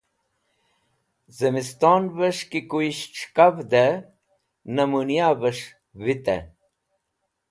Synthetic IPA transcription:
zɐmist̪oːnvəʂkikuiɕʈ͡ʂʰkavd̪e | nɐmunijabəʂ | vit̪ḛ

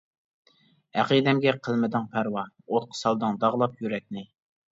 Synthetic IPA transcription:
æqid̪ɛmɡʲɛqʰəlˠmɪd̪ɪŋpʰæɾwɑ | ot̪̚qʰə̥sɑlˠd̪ɨŋd̪ɑʁlˠɑpjyɾɛk̚ʲnɪ

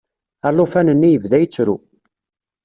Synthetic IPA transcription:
ælːufænənːijəvðæjət͡sːɾu

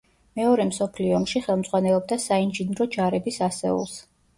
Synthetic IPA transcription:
mɛɔɾɛmsɔpʰliɔːmʃiχɛlˠmd̪zʼʁwanɛlˠɔb̚d̪asainʒinɾɔd͡ʒaɾɛbisasɛ̰ṵlˠs

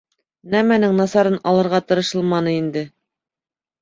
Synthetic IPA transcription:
næmænɘŋnɑsɑɾɤnʔɑlˠɤ̆ɾʁɑt̪ɤ̆ɾɤ̆ʃɤ̆lˠmɑnɤind̪ɘ

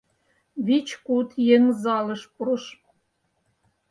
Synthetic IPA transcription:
βit͡ɕkut̪jeŋzɑlɤ̆ʃpuɾɤ̆ʃ

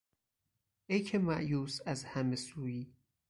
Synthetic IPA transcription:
ejkʰemæʔjuːsæzhæmesuːjiː

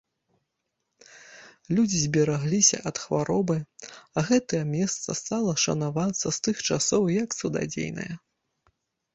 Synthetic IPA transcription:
lʲud͡zʲizʲbʲɛɾaɣlʲisʲɐ̰ʔɐt̪xvaɾɔbɨɐɣɛt̪ɐjɐmʲɛst̪sɐ̰st̪alˠɐʂɐ̰navat̪sːɐst̪ɨxt͡ʂasɔwjɐksɐd̪a̰d͡zʲḛjnɐ̰jɐ

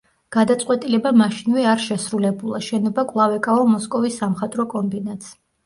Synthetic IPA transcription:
ɡ̥ad̪at̪sʼqʼwɛt̪ʼilɛbamaʃinvɛaɾʃɛsɾulɛbulˠaʃɛnɔbakʼvlˠavɛkʼaɔmɔskʼɔvisːamχat̪ʼɾɔkʼɔmbinat̪s

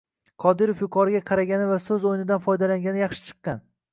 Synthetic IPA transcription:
qʰɒd̪ɪɾofjʊqʰɒɾɪɡʲaqʰɑɾaɡʲanɪvasɵzojɪnɪd̪anfɒjd̪alaŋɡʲanɪjɑχʃɪ̥t͡ʃʰɨ̥qːɑn

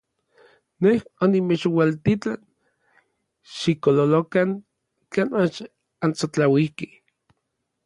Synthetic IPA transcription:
nehonimet͡ʃwalt̪it͡ɬan | ʃikololokaŋ | kanmat͡ʃ | ant͡sot͡ɬawihke

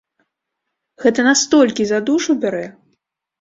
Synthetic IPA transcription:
ɣɛt̪ɐnast̪ɔlʲkʲizad̪uʂubʲɛɾɛ

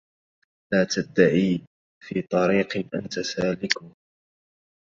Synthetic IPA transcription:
laːt̪ad̪ːaʕiː | fiːt̪ˤɑɾiːqʔa̰nt̪asaːlɪkuː

